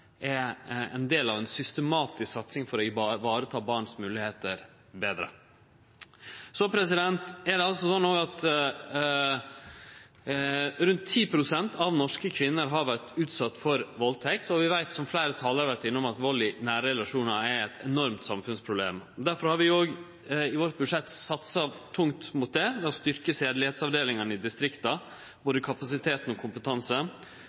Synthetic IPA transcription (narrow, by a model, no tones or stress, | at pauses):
ʔɛɛ̰nd̪eːlɑʋɛnsʏst̪əmɑːt̪ɪsksɑt̪sɪŋfɔɾɔɪʋɑːɾət̪ʰɑːbɑːɳsmʉːlɪheːt̪əɾ | beːd̪ɾə̰ | sɔpʰɾɛsɪd̪ɛnt̪ɛɖ̪ɛɑlsɔsɔnːoːɡɑt̪ | ɾʉnt̪ʰːiːpʰɾʊsɛnt̪ʰɑʋnɔʂkəkʰʋɪnːəɾɦɑɾʋæʈʉːt̪sɑt̪ːfɔɾʋɔlt̪ʰɛkt̪ɔʋɪʋæɪt̪sɔmflæɪɾət̪ʰɑːləɾɑʋæʈ̪ɪnːʊmɑt̪ʋɔlɪnæːɾɛlɑʂuːnɑæɛt̪ʰɛnɔɾmt̪sɑmfʉnspʰɾʊblḛːmɔd̪æɾfɔɾhɑɾʋɪoːɡ | ɪʋoːɾt̪̚bʉʂɛt̪ːsɑt̪sɑt̪ʰʊŋt̪mʊt̪̚d̪ɛʋɪɔst̪ʏɾkəseːd̪lɪheːt̪sɑʋd̪eːlɪŋɑnɪd̪ɪst̪ɾɪkt̪ɑ | b̥oːd̪əkʰɑpɑsɪt̪ʰeːt̪n̩ɔkʰʊmpət̪ʰɑnsə